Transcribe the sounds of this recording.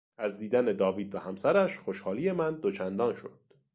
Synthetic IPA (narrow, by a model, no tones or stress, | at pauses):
ʔæzd̪iːd̪æne̞d̪ɒːviːd̪væhæmsæɾæʃxo̞ʃhɒːliːje̞mænd̪ot͡ʃʰænd̪ɒːnʃo̞̰d̪̥